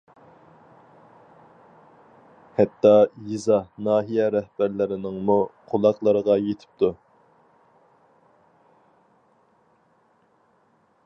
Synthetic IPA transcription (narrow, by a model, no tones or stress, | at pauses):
hɛt̪ːɑjizɑnɑːɦijɛɾɛhb̥æɾlɪɾɪnɪŋmuqʰolˠɑqlˠəɾəʁɑjet̪ʰɪ̥p̚t̪ʰu